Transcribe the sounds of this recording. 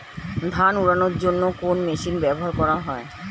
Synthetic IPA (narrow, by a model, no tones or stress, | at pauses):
d̪ʱanuɽanoɾd͡ʑonːokonmeʃinbɛboɦaɾkɔɾaɦɔe